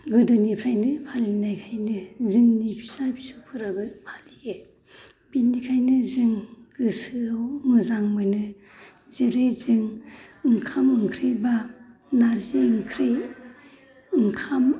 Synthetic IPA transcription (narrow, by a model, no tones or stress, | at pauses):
ɡɯdɯnipʰɾajnɯpʰalinajkʰajnɯzɯŋnipʰi̥sajpsupʰɯɾabɯpʰaliɡe | binikʰajnɯzɯŋɡ̥ɯsɯawmɯzaŋmɯjnɯ | ziɾezɯŋɯŋkʰamɯŋkʰɾijba | naɾziɯŋkʰɾej | ɯŋkʰam